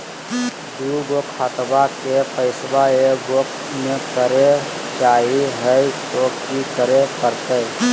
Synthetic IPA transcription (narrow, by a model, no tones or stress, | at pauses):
kuɡokʰat̪bakepʰəɪswaeɡok | mẽkəɾet͡ʃaːiɦɛjt̪oːkikəɾekəɾt̪ə